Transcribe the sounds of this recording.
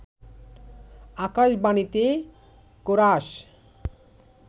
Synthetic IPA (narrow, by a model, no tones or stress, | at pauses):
akaʃbanit̪e | koɾaʃ